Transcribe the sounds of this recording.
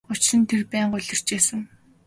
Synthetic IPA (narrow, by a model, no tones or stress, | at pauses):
ʊt͡ɕsɘ̆nt̪ʰerpæːɴɢʊɮʲɪ̆r̥t͡ɕeːsə̆ŋ